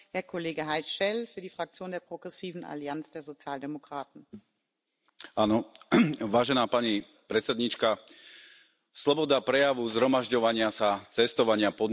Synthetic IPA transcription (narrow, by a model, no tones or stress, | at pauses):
hɛːɐkʰɔleːɡəɦaɪsʃɛlfyːɐdiːfʁ̥ak̚t͡sjoːndeːɐpʁ̥oɡʁɛsiːvn̩ʔa̰liant͡sd̥eːɐzot͡sjaːldemokʁ̥aːtn̩ | aːnɔʋaːʒɛnaːpaɲi | pɾɛt̪t͡sɛd̪ɲit͡ʃka | slɔbɔd̪apɾɛjaʋuzɦɾɔmaʒɟɔʋaɲɪasat͡sɛst̪ɔʋaɲɪapɔd̪